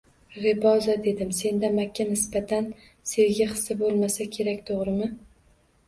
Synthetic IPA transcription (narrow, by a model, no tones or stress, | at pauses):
ɾɪbɒzad̪e̞d̪ɪmse̞nd̪amakʲʰːanɪsbat̪ʰan | seɾɡʲaχɨ̥sɪbolˠmasakʲʰe̞ɾakʲt̪ʰoʁɾɪmɪ